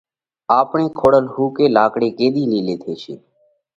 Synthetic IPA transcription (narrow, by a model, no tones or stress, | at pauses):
aːpɳeːkʰoːɽəlɦuːkeːlaːkɽeːkeːɗ̪iːliːleːt̪ʰeːt͡ʃʰḛː